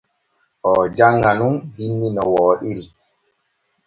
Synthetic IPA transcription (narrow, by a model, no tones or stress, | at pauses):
ʔɔd͡ʒaŋːɡanunbinːinɔwɔːɗiɾi